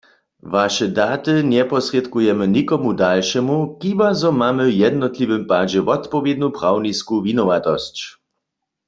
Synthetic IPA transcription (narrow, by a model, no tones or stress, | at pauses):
vaʃɛd̪aːt̪ɨnɛpɔsʁjɛt̪kujɛmənikɔmud̪alʃɛmuxibazɔmamɘwjɛd̪nɔt̪livɘmpaːd͡ʑɛvɔt̪pɔvjɛd̪nupʁawniskuvinɔʋat̪ɔst͡ɕ